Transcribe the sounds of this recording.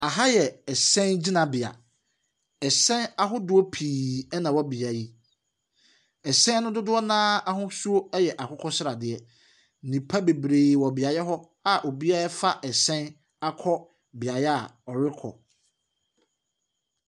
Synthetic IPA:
a˨ɦa˦jɛ˨ɛ˨sɛ̃˦nd͡ʑi˦nã˨bɪ˨a̰˨ | ɛ˨sɛ̃˦n˦a˨ɦʊ˦dʊ˨˦o˦pʰiː˨ɛ˦nã˨wɔ˦bi˨a˨ji˦ | ɛ˨sɛ̃˦nʊ̃˦dʊ˦dʊ˦ɔ˦nãː˦a˦ɦʊ̃˦su˦o˦ɛ˦jɛ˨ʔa˨kʰɔ˦kʰɔ˦sɪ˦ɾa˨dɪ˨ɛ˦˨ | nĩ˨pʰa˦be˨bɾeː˨wɔ˨bɪ˨a˨jɛ˦ɦɔ˦ | a˨ʔo˨bi˦a˦ɛ˦fa˦ʔɛ˨sɛ̃˦n˦ | a˦kʰɔ˦ | bɪ˨a˨jɛ˦a˨ɔ˨ɾɪ˦kʰɔ̰˨

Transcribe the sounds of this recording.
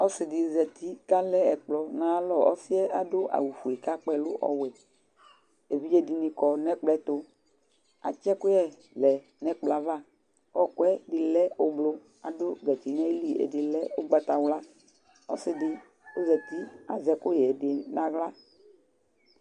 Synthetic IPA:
ɔ˦sɪ˨dɪ˨zɛ˨t̪i˦ka˦lɛ˦ɛ˨k͡plɔ˨nã˨˦lɔ˦ɔ̰˦si˦ɛ˦a˨dʊ˦ʔa̰˨wu˨fu˨e˨ka˦k͡pɛ˦lʊ˦ʔɔ̰˨wɛ˨ | e˨vi˦je˦di˨nĩ˨kɔ˨nɛ˦k͡plɛ˦t̪o˦ | a̰˨t͡ʃɛ˦kʊ˦ɛ˦ | lɛ˨ | nɛ˦k͡pla˨va˦ | ɔ˦kwɛ˦dɪ˨lɛ˦o˨blo˦ | a̰˨dʊ˦ɡɛ˨t̪i˨nɛ̃˦li˨ḛ˨dɪ˨lɛ˦o˦ɡ͡ba˦t̪a˨wla˦ | ɔ̰˦sɪ˨dɪ˨ | o˦zɛ˨t̪i˦a̰˨zɛ˨kʊ˦jɛ˨dɪ˨nã˦ɣla˦

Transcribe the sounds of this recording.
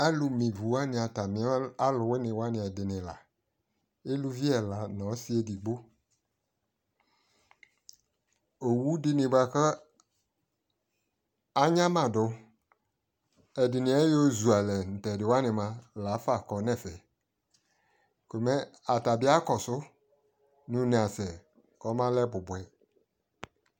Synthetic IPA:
a˦lu˨mĩ˨vu˨wa˦nɪ̃˨a˨ta˨mɪ̃˨˦a˦lʊ˨we˦nɪ̃˨wa˦nɪ̃˨ɛ˨dɪ˨nɪ̃˨la̰˨ | e˦lu˦vi˦ɛ˨la˨nɔ̃˨˦si˦e˦di˨ɡ͡bo˦ | o˨wu˦dɪ˦nɪ̃˨ba˨kə˦ | a˦ɲã˦mã˨dʊ˨ | ɛ˨dɪ˨nɪ̃˨ɛ˦jo˦zu˨a˨lɛ˨n̩˨tɛ˨dɪ˨wa˦nɪ̃˨mã˨la˨˦fa˨kɔ˨˦nɛ̃˦˨fɛ˨ | ko˨mɛ˦a˨ta˨bɪ˦a˦kɔ˨sʊ˦ | nʊ̃˦nẽ˨a˨sɛ˨ | kɔ˨˦mã˦lɛ˦bʊ˨bʊ˨ɛ˨

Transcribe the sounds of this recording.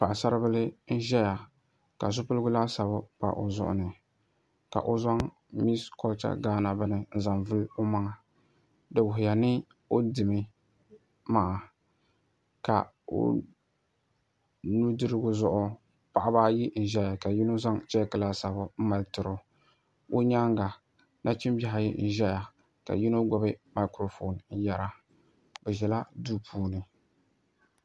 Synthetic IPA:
pa˨ʔsa˦ɾɨ˦bɨ˦lɨ˦n̩˦ʒɛ˦ja˨ | ka˨zʊ˦pɨ˦lɡʊ˦laː˦sa˨bʊ˦pa̰˨ʔo˨zʊ̰˦ʔʊ̰˦nɨ˨ | ka̰˨ʔo˦za˦ŋ | mi˦skɔ˦lt͡ʃa̰˦ɡaː˦na˨bɨ˦nɨ˨n̩˦za˨mvɨ˦lʊ˦ma˦ŋa˨ | dɨ˨wʊ˨ɦʊ˨ja˨nɪ˦ | o˦dɨ˨mɨ˦ | maː˦˨ | ka̰˨ | o̰˨ | nu˦dɨ˦ɾɨ˦ɡʊ˦zʊ˦˨ʔʊ˦ | pa˨ʔa˦baː˦ji˦n̩˨ʒɛ˦ja˨ka˨ji˦no˦za˦ŋt͡ʃɛ˦kla˦sa˨bʊ˨m̩˦ma˨ltɨ˨ɾʊ˨ | o˦ɲa˦ŋɡa˨ | na˦t͡ʃɪ˦mba˦ɦa˨jḭ˦n̩˨ʒɛ˦ja˨ | ka̰˨ji˦no˦ɡɔ˨bɨ˦ma˨˦kɾo˨fo˨nn̩˦ja˨ɾa˨ | bɛ˨ʒɛ˨la˦du˦pʰuː˦nɨ˨

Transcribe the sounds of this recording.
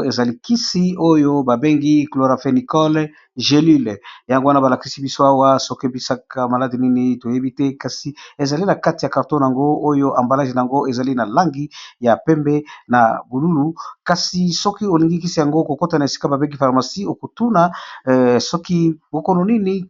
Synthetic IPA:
e˨za˨li˦ki˦si˦o˦jo˦ba˨be˦ŋɡi˦klo˨ʁa˨fe˨ni˨kɔ˦l | ʒe˨li˦lja˨ŋɡo˦wa˦na˦ba˨la˨ki˦si˦bi˦so˦a˦wa˦so˦ki˦bi˦sa˦ka˦ma˨la˦di˨ni˦ni˦to˨je˦bi˦tɛ˦ka˨si˨e˨za˨li˦na˨ka˦ti˨ja˨ka˨ʁtõ˦n˨a˨ŋɡo˦o˦jo˦ʔa˨mba˨la˦ʒe˨na˨ja˨ŋɡo˦e˨za˨li˦na˨la˦ŋɡi˦ja˨pɛ˦mbɛ˦na˨bu˨lu˦lu˨ka˨si˨sɔ˦ki˦o˨li˨ŋɡi˦ki˦si˨ja˨ŋɡo˦ko˨ko˦ta˨na˨e˨si̥˦ka˦ba˨be˦ŋɡi˦fa˨ʁma˨si˦o˨ko˨tu˦na˨ | sɔ˦ki˦bo˨ko˦no˨ni˦ni˦

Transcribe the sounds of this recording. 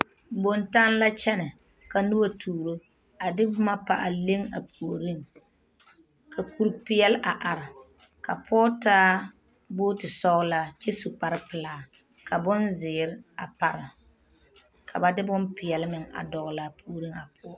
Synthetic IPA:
bo˨nta˦n˦la˦t͡ʃɛ˦nɪ˨ | ka˨nʊ˦ba˦tʰuː˨ɾo˦ | a˨dɪ˦bʊ˦ma˦pa̰˨ʔa˨le˦ŋa̰˨pʰu˨o˨ɾi˦˨ŋ | kʰa˨ku˨ɾpɪ˦ɛ˦lʔa˨ʔa˨ɾɪ˨ | ka˨pʰɔː˦taː˦ | boː˦tɪ˨sɔ˦la˦t͡ʃɛ˦su˨k͡pa˨ɾɪ˦pɨ˨laː˨˦ | kʰa˨bʊ˦nzɪː˨ɾɪ˦a˨pa˨ɾɪ˨ | kʰa˨ba˨dɪ˦bʊ˦mpɪ˨ɛ˨lɪ˦mɪ˦ŋa̰˨dɔ˨ɣla˦pʰu˨o˨ɾi˦ŋa˨pʰʊ˦ɔ˦

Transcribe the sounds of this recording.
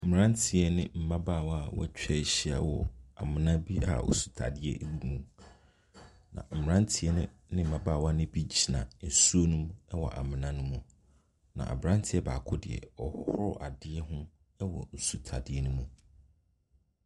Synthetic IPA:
m̩˨m̩˨ɾã˦n˦tʰɪ˨ɛ˦nɪ̃˦m̩˦mã˦baː˦˨wa˦wɔ̰˦t͡ɕᶣɛ˦˨˦ɕi˦a̰˨wɔ˨a˨mɪ̃˨nã˦bi˦a̰˨o̰˨su̥˨tʰa̰˨dɪ˦ɛ̰˦bi˦mũ˨ | nã̰˨m̩˨m̩˨ɾã˦n˦tʰɪ˨ɛ˦nɪ̰̃˦ | nɪ̃˦m̩˨ã˦ba˦˨wa˦nɪ̃˦bi˦d͡ʑi˦˨nã̰˨n̩˨su˦o˦nũ˦mɛ˦wɔ̰˨ʔa̰˨mɪ̃˨nã˦nʊ̃˦mũ˨ | nã̰˨ʔa̰˨bɾã˦ntʰɪ˦ɛ˦baː˨kʰʊ˦dɪ˨ɛ̰˨ɔ˨hhʊ˦ɾʊ˦ʔa˨dɪ˦ɛ˦ɦʊ̃˦ | ɛ˦wɔ̰˨n̩˨su˨tʰa˨dɪ˦ɛ˦nʊ̃˦mũ˨

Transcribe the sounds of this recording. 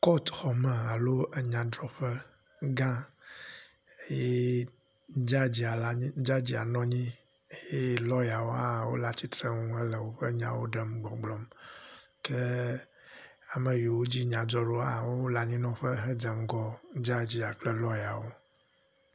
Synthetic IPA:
kɔ˦t̪xɔ˨mɛ˨a˨lo˦ə˦ɲã˨dɾɔ˦ɸɛ˦ | ɡã˦ | e˦je˦ | d͡ʒa˦d͡ʑi˨a˨la˦d͡ʒa˦d͡ʑi˨a̰˨nɔ̃˦ɲĩ˦ | e˦je˦lɔ˦ja˨wo˦a˦˨wo̰˦la˦t͡ɕi˦t̪ɾe˦ŋũ˦ɛ˦lə˨wo˦ɸə˦ɲã̰˨wo̰˦ɖɛ˦mɡ͡bɔ̃˨ɡ͡blɔ˦m | ke˦ | a˨me˨ji˨wo˦d͡ʑi˦ɲã˨d͡ʒɔ˦ɖo˦a˦˨wo˦wo˦la˨ɲĩ˦nɔ̃˦ɸə˦ɦɛ˦d͡ze˨m˦ɡɔ˦d͡ʒa˦d͡ʑi˦a˨k͡plɛ˦lɔ˦ja˨wo˦

